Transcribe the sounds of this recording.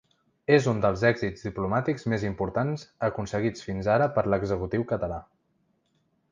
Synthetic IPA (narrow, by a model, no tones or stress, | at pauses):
ezund̪əlˠzɛɡzizd̪iplumat̪ikzmezimpuɾt̪anzəkunsəɣit͡sfinzaɾəpəɾləɡzəkut̪iwkət̪əla